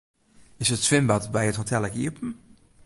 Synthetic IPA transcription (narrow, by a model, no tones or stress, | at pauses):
ɪsətsʋɪmbɑtbɛjətɦotɛlˠəkḭəpən̩